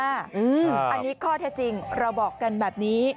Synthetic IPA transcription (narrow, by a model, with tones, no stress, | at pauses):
a˥˩ʔɯː˧ʔa˧nːiː˦˥kʰɔː˥˩t̪ʰɛː˦˥˩t͡ɕi˧ŋɾa˧wbɔː˨˩kːa˧nbɛː˨˩p̚niː˦˥